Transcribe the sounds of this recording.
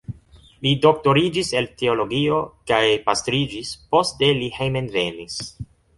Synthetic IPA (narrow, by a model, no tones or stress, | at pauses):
lido̞k̚to̞ɾid͡ʒise̞lteo̞lo̞ɡio̞kajpastɾid͡ʒispo̞stde̞lihejmenve̞nis